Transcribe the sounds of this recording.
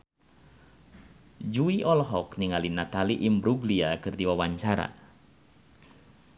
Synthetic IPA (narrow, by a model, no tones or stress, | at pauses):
d͡ʒuiʔɔlɦɔkniŋalinat̪aliʔimbɾuɡliakɨrdiwawaɲt͡ʃaɾa̰